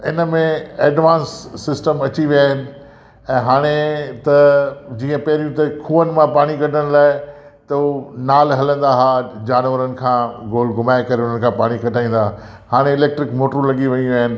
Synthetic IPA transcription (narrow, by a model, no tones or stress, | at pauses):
ɪnəmẽeːɖʋãːnsːɪsʈəmɐt͡ɕiʋjaːɦɪnɪ̆ | ɛ̃ːɦaːɽ̃et̪ɐd͡ʑiːə̃pɐɦɪɾijũt̪ɐkʰuːənɪ̆mãpaːɽ̃ikɐʈʰəɽ̃laːɪ | t̪ɐnaːlɦɐlə̃nd̪aɦaːd͡ʑaːnʋəɾənɪ̆kʰãːɡoːlɡʱʊmaːekɐɾeʊn̤ənkʰãpaːɽ̃ikɐʈʰaːĩːn̆d̪aː | haːɽ̃eɪleːk̚ʈɾɪkmoːʈɾũlɐɠiʋɐ̃jũʋjaːɦɪnɪ̆